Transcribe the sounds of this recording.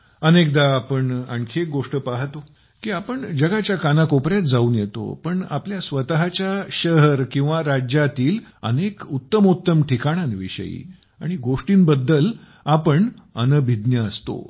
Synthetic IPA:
ənek̚d̪aːpəɳa̰ɳkʰek̚ɡoʂʈəpaɦt̪o | kiːapəɳd͡ʑəɡat͡ɕjakanakopɾjat̪̚d͡zauːnjet̪o̰pəɳapljasʋət̪aɦat͡ɕjaɕəɦəɾkĩw̃ʋaɾad͡ʑjat̪iːlə̰nekut̪ːəmut̪ːəmʈʰikaɽ̃anʋḭɕə̰jḭ | a̰ɽ̃iɡoʂʈiːnbəd̪ːəl | apəɳ | ənəbʱid̪njəəst̪o̰

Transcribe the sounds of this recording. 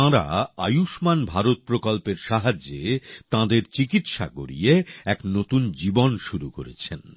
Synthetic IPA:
ãɾa̰a̰juʃmanbʱaɾot̪̚pɾokolpeɾʃaɦad͡ʑːet̪ãd̪eɾt͡ɕikit̪ʃa̰ɡo̰ɾḭjeɛknot̪und͡ʑibonʃuɾukoɾḛt͡ɕʰen

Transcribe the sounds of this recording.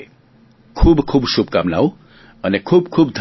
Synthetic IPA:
kʰubkʰuːbsub̚kamna̰w | ʌnekʰubkʰuːbd̪ʱ

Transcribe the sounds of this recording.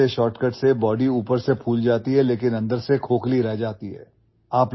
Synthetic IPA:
eʃɔːʈkəʈsebɔːɖiuːpəɾsepʰuːld͡ʒaːt̪iɦɛleːkɪnɐ̃nd̪əɾsekʰoːkliɾɛɦd͡ʒaːt̪iɦɛ̰ː | aːpl

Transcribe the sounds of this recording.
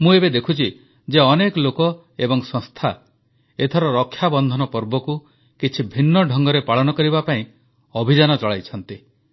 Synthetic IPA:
mũebed̪ekʰut͡ʃʰi | d͡ʒeɔnekɔlokɔ | ebɔŋsɔ̃ŋst̪ʰa | et̪ʰɔɾɔɾɔkʰːjabɔnd̪ʱɔnɔpɔɾbɔku | kit͡ʃʰibʱinːɔɖʱɔŋɡɔɾepaɭɔnɔkɔɾibapaĩ | ɔbʱid͡ʒanɔt͡ʃɔɭajt͡ʃʰɔnt̪i

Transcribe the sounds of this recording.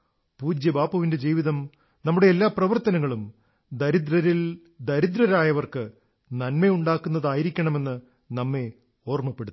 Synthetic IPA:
puːd͡ʑjɐbaːpːɐʋinde̞d͡ʑiːʋiðɐm | nɐmːuɽe̞ːlːaːprɐʋɐrt̪ɐnɐŋːɐɭum | d̪ɐɾid̪ɾɐɾil | d̪ɐɾid̪ɾɐɾaːjɐʋɐrkɨ | nɐnme̞uɳɖaːkːunːɐðaːjiɾikʲːɐɳɐme̞nːɨ | nɐmːe̞ | o̞ːrmɐpːe̞ɽut̪ː

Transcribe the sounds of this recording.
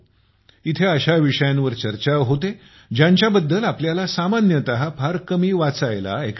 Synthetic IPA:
it̪ʰeəɕaʋiʂəjãnʋəɾt͡ɕəɾt͡ɕaʋɦot̪e | d͡ʑjaɲt͡ɕjabəd̪ːəlapljalasamanjət̪əɦapʰaɾkəmiːʋat͡sajla̰ek

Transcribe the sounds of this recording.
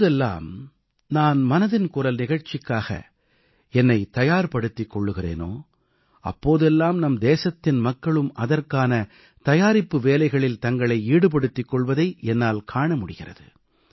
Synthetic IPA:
ðɛlːa̰ːm | naːnmɐnɐðɪnkʊrɐlnɪɣɐɻt͡ʃɪkːaːɣɐ̰ | ɛnːɐɪt̪ɐjaːɾpɐɽɯt̪ːɪkːɔɭːɯɣɪrḛːno̰ː | ɐ̰pːoːðɛlːaːmnɐmd̪eːsɐt̪ːɪnmɐkːɐɭɯmʔɐðɐrkaːnɐ | t̪ɐjaːɾɪpːɯʋeːlɐɪɣɐɭɪlt̪ɐŋɡɐɭɐɪiːɽɯp̬ɐɽɯt̪ːɪkːɔɭʋɐðɐɪʔɛnːaːlkʰaːɳɐmʊɽɪɣɪrɐ̰ðɯ̰

